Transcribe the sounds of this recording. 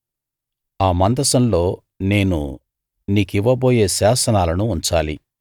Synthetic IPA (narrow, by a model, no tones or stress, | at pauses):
aːmɐnd̪ɐsɐmlo̞ː | ne̞ːnṵ | niːkiʋːɐbo̞ːje̞ːsaːsɐnaːlɐnuːɲt͡ʃaːli